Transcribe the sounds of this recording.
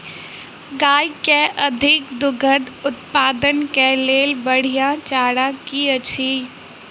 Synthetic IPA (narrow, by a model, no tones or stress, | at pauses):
ɡaːjkeʔɐd̪ʱɪk̚d̪ʊɡʱəd̪ʊt̪paːd̪ənkeleːlbəɽ̤ijãt͡ʃaːɽakiɐt͡ʃʰiː